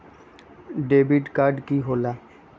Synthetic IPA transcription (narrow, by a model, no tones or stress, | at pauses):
ɖebiʈkaɾɖkiɦola